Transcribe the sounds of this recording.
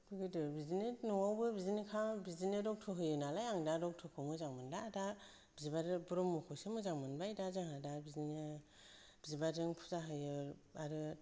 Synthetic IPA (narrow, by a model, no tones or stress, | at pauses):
b̥ɯɡɯdɯbizinenɔŋawbɯbizinikʰabizinɯɾɔk̚tʰɔɦɯjɯnalajaŋdadɔk̚tʰɔkʰɯmɯzaŋmɯndaːda | b̥izibaɾɯbuɾɔmːukʰɔsemɯzaŋmɯnbajdazɯŋadabizini | bizibadɯŋpʰu̥zaɦɯjɯaɾɯ